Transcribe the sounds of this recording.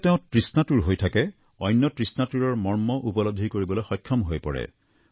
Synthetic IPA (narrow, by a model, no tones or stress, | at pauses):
tɛʊ̃tɹisnatuɹɦojtʰakɛ | ɔjnːɔtɹisnatuɹɔɹmɔɹmɔʔupɔlod̪ʱikoɹibɔlojxɔjkʰːɔmɦojpɔɹɛ̰